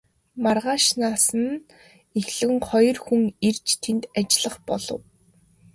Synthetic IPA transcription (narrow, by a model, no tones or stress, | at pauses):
marʁaːʃnaːsə̆n | exɮɘ̆ɘ̆ŋχɔjɞ̆rxuŋirt͡ɕt̪ʰent̪at͡ɕɪɮə̆χpɔɮɞ̰̆w